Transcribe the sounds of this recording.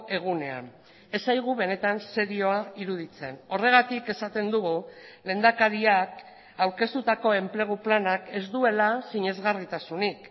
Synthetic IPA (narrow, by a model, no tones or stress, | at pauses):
e̞ɣune̞a̰n | e̞sajɣ̞uβe̞ne̞t̪anse̞ɾio̞aiɾuð̞it͡se̞no̞re̞ɣ̞at̪ike̞sat̪e̞nd̪uɣule̞nd̪akaɾiak | awɾke̞st̪ut̪ako̞e̞mple̞ɣ̞uplanake̞zd̪ue̞lasiɲe̞zɣarit̪asunik